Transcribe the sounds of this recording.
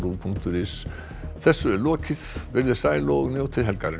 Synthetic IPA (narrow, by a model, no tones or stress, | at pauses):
ɾupʰuŋkt̪ʊɾɪs | θɛsːʏɛɾlɔːcɪð̥vɪɾðɪsaːjlɔɔɣnjoːwt̪ʰɪðɦɛlkaɾɪ